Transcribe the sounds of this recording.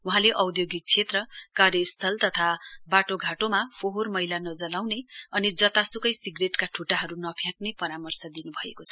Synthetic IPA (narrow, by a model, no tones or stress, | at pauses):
uɦãleʔʌwd̪joɡik̚t͡sʰet̪rʌkarjʌist̪ʰʌlt̪ʌt̪ʰabaʈoɡʱaʈomapʰoɦormʌjlanʌd͡zʌlawneʌnid͡zʌt̪asukʌjsiɡreʈkaʈʰuʈaɦʌɾunʌpʰjãk̚nepʌɾamʌrsʌd̪inubʱʌḛkot͡sʰʌ̥